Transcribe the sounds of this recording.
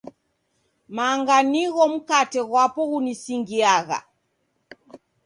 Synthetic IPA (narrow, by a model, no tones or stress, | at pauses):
maːŋɡaniɣɔm̩katɛɣwapɔɣunisiŋɡiaɣa̰